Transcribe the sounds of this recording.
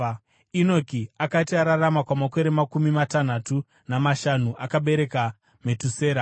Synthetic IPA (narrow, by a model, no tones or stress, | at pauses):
ino̞kiakatiaɾaramakwamako̞ɾe̞makumimatanatu | namaʃanuʔakaɓe̞ɾe̞ka | me̞tuseːɾa